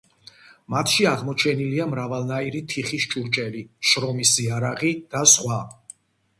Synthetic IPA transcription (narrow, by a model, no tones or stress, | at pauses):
mat̪ʰʃiaʁmɔt͡ʃʰɛniliamɾavalˠnaiɾit̪ʰiχiʃt͡ʃʼuɾt͡ʃʼɛliʃɾɔmisiaɾaʁid̪̥asχwa